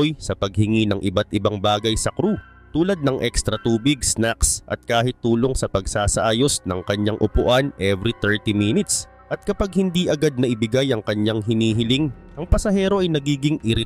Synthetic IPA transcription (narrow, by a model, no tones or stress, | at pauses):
jsɐpɐɡ̚hɪŋinɐŋʔɪbat̪ʔɪbaŋbaːɡɐjsɐkɾu | t̪uːlɐd̪̚nɐŋʔɛkst̪ɾɐt̪uːbɪɡ̚snaksʔɐ̰t̪̚kaːhɪt̪ːuːlo̞ŋsɐpɐɡ̚saːsɐʔaːjo̞snɐŋkɐɲːaŋʔʊpʊʔanʔɛvɾit̪ɛɹt̪iminɪt̪s | ʔɐt̪̚kɐpaɡ̚hɪnd̪iʔɐɡad̪̚nɐʔɪbɪɡajʔɐŋkɐɲːaŋɦɪniːɦɪlɪŋ | ʔɐŋpɐsɐhɛːɾo̞ʔɐjnɐɡiːɡɪŋʔɪɾɪ